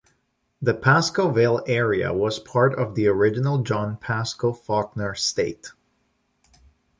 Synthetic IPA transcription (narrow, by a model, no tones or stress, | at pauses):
ðɨpʰæskoʊvelˠɛɹiɨ̰wʌz̥pʰɑɹɾʌvðiə˞ɪd͡ʒɨnl̩ˠd͡ʒɑ̃npʰæskoʊfɑk̚nə˞steɪt